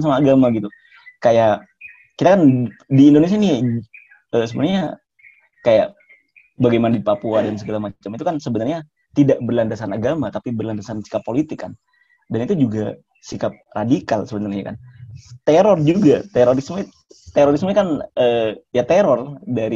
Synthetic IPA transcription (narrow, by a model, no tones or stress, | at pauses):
samaːɡamaɡit̪u | kajaʔ | kit̪akandiːndones̬iani | əːsəbənarɲa | kajaʔ | baɡajmanadipapuadans̬əɡalamat͡ʃamit̪ukansəbənarɲa | t̪idaʔbərlandasanaɡamat̪apibərlandasansi̥kapːolit̪ɪkːa̰n | danit̪ud͡ʒuɡa | sikap̚radikalsəbənarɲa̰ka̰nt̪eɾɔrd͡ʒuɡat̪eɾoɾism | t̪eɾoɾisməɲakanəːjat̪eɾɔrdaɾi